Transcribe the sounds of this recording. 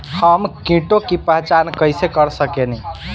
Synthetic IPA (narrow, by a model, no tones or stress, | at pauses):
həmkĩʈokipəɦt͡ʃankəjsekəɾsəkeni